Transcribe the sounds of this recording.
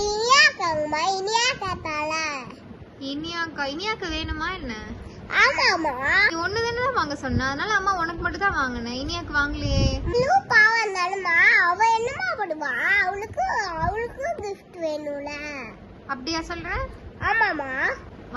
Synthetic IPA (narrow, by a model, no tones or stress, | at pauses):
ɪnɪjaːkaːŋɡɐmaːɪnɪjaːkaːt̪aːla | ɪnɪjaːkɐɪnɪjaːkːɯʋeːnɯmːaːɛnːɐ | aːmaːmaːɔnːɯðɐnːɐt̪ãːʋaːŋɡɐsɔnːãːɐðɐnaːlɐɐmːaːɔnɐkːɯmɐʈːɯ̃t̪ãːʋaːŋɡɐnːɐɪnɪjaːkːɯʋaːŋɡɪlɪjeːmɪlupaːʋand̪aːlɯmaːɐʋɐ̃ɛnːɐmaːpɐɽɯʋãːɐʋɐɭɯkːɯɐʋɐɭɯkːɯɡɪfʈʋeːnuːlɐ | ɐpːɐɽɪjaːsɔlɾẽːaːmaːmaː | ʋ